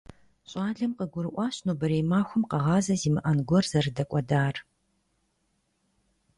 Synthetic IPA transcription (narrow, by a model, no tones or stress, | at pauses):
ɕʼaːɮɐmqəɡʷʊɾɨʔʷɑːɕnoːbɐɾeːmaːxʷʊmqɐʁɑːzɐziːmɨʔɐnɡʷɔrzɐrɨdɐkʷʼɔdaːr